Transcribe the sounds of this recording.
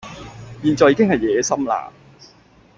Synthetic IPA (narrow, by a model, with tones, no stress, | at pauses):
jiː˨nt͡ʃɔː˨˩jiː˧˥kɪ˥ŋhɐ˨jjɛː˨˥sɐ˥mla̰ː˧